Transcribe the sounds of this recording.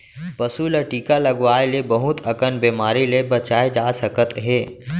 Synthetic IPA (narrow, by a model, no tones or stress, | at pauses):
pəsuləʈiːkaləɡʋaːelebəɦʊt̪əkənbeːmaːɾilebət͡ʃaːed͡ʒaːsəkət̪ɦeː